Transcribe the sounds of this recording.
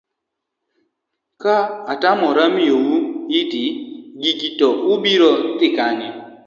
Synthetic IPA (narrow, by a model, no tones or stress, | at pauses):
kaatamɔɾamiowuɪdiɡiɡitɔʊbiɾɔt̪ɪkaɲɪ